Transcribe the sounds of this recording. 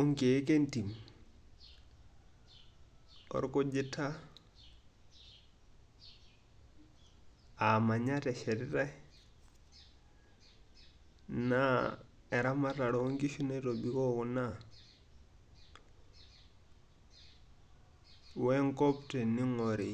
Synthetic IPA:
o˦ŋke˨˦ke˦nti˨m | ɔ̰˨ɾko˦d͡ʒi˦tːa˦ | a˨ma˨ɲa˦te˨ʃe˨ɾi˦ta˦ | na | e˨ɾa˦ma˦ta˨ɾo˨o˦ŋɡi˦ʃu˦ne˦to˨bi˨ko˦ku˨na˦ | we˦ŋko˦pte˨ni˦ŋoɾi˨

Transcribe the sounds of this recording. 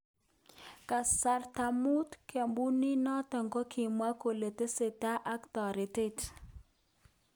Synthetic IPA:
ka˨sa˨rta˨mu˦tkʰe˨mbu˦ni˦nɔ˦tɛ˨ŋɡɔ˦kʰi˨mwa˦ko˨le˨te˦se˨ta˦ʔa˦kt̪ɔ˨ɾɪ˨te˦t

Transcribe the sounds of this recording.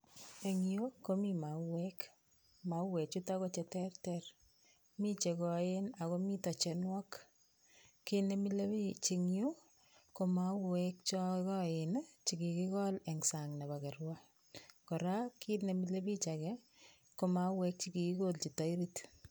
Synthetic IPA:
e˨ŋjo˦ko˦mima˨wɛk | ma˨wɛ˨k̚t͡ʃu˦ta˦ko˦t͡ʃɛ˨tɛrtɛr | mi˦t͡ʃe˨kɔ˨ena˨ko˦mi˦ta˨t͡ʃɛ˨nwɔ˦k | ki˦ne˨mile˦bt͡ʃi˧ŋjo˦ | ko˨ma˨˦wɛk̚t͡ʃɔ˦kɔ˦ɪnt͡ʃi˨ki˨ki˦kɔ˦lɛ˨ŋsaŋna˨ba˨kɛ˨ɾwa | kɔ˨ɾa˦ki˦ne˨mile˦bi˦t͡ʃakɛ | ko˨ma˦wɛ˦k̚t͡ʃikiki˦kolt͡ʃi˨ta˨˦iɾit

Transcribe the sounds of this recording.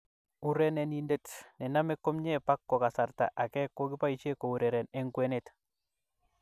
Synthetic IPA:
u˦ɾɛ˦nɛ˨ni˦nde˦tne˨na˦me˦kːo˦mɲepa˦kːo˨ka˨sa˨rta̰˨ʔa˨kɛ˦kːo˦ki˦pa˦it͡ʃeko˨u˨ɾe˨ɾe˨neŋkwe˦net

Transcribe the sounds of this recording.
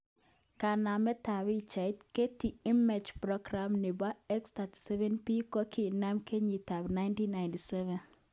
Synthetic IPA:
ka˨na˨mɛ˦ta˨bi˨t͡ʃa˨i˦tke˦ti˨i˦mɛ˨d͡ʒpɾɔ˦ɡɾa˨mnɪ˨ba˦ɛ˦ksta˨ti̥˨sɛ˦vɛ˦npi˦kɔ˦kʰi˨na˦mke˦ɲi˨ta˨bna˦ɪ˦nti˦nːa˨ɪnti˨sɛ˦vɛ˨n

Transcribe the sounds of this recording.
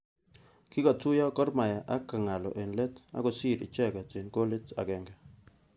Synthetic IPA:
ki˦ka˨tʊ˦ja˦kɔ˦ɾma˨ja˨ʔa˦kːa˨ŋa˨lɔ̰˨ʔe˨nle˦ta̰˦ɡo˨si˦˨ɾḭ˨t͡ʃɛ˦ka˨t͡ʃe˨nko˦le˦ta̰˨ɡɛ˨ŋɡɛ˨

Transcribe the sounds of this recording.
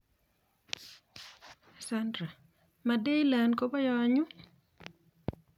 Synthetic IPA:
sa˦ndɾa˨ | ma˨de˦la˨nko˦bɔ˦jɔ˦ɲu˦

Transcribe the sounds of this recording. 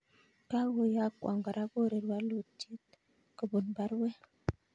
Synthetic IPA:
ka˦wo˨ja˦kwʔa̰˨ŋɡa˨ɾa˦ɡo˦˨ɾe˨ɾwa˦lu˨ti˦t̚ | kə˨bu˨nba˦ɾwɛ˦

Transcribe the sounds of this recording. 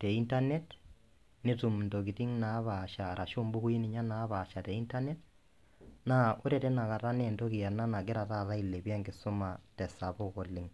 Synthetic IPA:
tɛ˨i˦nta˦nɛ˦t | ne˦tu˨mndo˨k̬ɪ˨tɪ˦ŋna˨˦βa˨ʃa˨ɾa˨ʃʊ˦mbʊ˦ku˦i˦nɪ˨ɲa˦na˨˦βa˨ʃa˨tɛ˨i˦nta˦nɛ˦t | na˦ʊ˦ɾɛ˨tɛ˦na˨ka˨ɾa˦nɛ˦ndo˦kɪ˨ja˨na˦na˨ɡɪ˦ɾa˨ta˦˨ɾa˦i˨le˨ba˦ŋɡɪ˨sʊ˦ma˨tɛ˨sa˨bʊ˦kɔ˨lɪ˨ŋ

